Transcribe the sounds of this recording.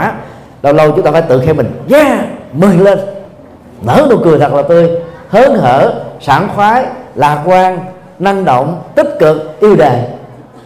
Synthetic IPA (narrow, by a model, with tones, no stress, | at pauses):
ɗə˨˩wlə˧wt͡ɕʊ˦ŋ͡mt̪aː˧faː˧˦t̪ɨ̰˧˨xʰɛ˧wmï˨˩ŋzaː˨˧˩mɨ˨˩ŋle˧n | nəː˧˥˦ɗo˧˩kɨ˨˩ət̪ʰə˨˩k̚laː˨˩t̪u˧əjhəː˨˦nɦəː˧˩saː˧˩nxwaː˨˦jla̰ː˧˨kwaː˧ŋ | na˧ŋɗo̰˧˨wŋ͡mt̪i˦˥p̚kɨ˨˩k̚ʔi˧əwɗe˨˩